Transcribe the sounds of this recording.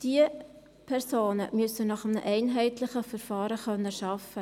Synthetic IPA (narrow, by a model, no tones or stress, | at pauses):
d̥iə | pʰɛɾsoːnəmʏsənɑχəmnə̰ʔɛɪnɦɛɪtlɪχəfəɾfɑːɾəχœnːəʃɑfə